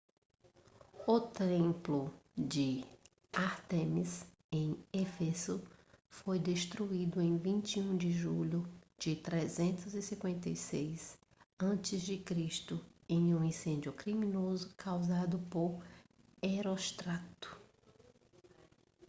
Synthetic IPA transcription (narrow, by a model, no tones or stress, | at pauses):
ʊt̪ẽmplʊd͡ʒɪ | aɾt̪ẽmis | ẽj̃efesʊfojd̪eʃt̪ɾuid̪ʊẽj̃vĩnt͡ʃiũd͡ʒɪʒuʎʊ | d͡ʒɪt̪ɾezẽnt̪ʊzɪsĩkwẽnt̪ejsejs | ɐ̃nt͡ʃɪzd͡ʒɪkɾiʃt̪ʊẽj̃ũĩsẽnd͡ʒʊkɾimĩnozʊkʰawzad̪ʊpoɾ | eɾost̪ɾat̪ʊ̥